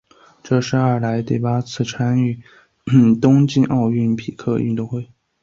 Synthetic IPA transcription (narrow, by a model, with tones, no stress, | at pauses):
ʈ͡ʂɤ˥˧ʂɻ̩˥˧ɐ˞˥˩la˧˥ɪt̪i˥˩pa˥t͡sʰɹ̩˥˩ʈ͡ʂʰa˥ny˥˩˥ | t̪ʊ˥ŋt͡ɕi˥˧nʔɑ˥˧ʊy˥˩npʰi˨˩kʰɤ˥˧y̰˧t̪ʊ˥˧ŋxwe˥˩ɪ